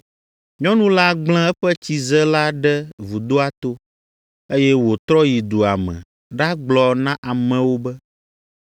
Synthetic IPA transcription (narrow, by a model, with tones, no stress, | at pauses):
ɲɔ̃˦nũ˦la˦ɡ͡bl̃ɛ̃˦ɛ˦ɸɛ˦t͡ɕi˨zɛ˦la˦ɖɛ˦vu˨d̪o˦a˦t̪o˦ | e˦jɛ˦wo˨t̪ɾɔ˦ji˨d̪u˨a˨mɛ̰̃˨ | ɖa˦ɡ͡blɔ˨nã˦ʔa˨mɛ̃˨wo˦bɛ˦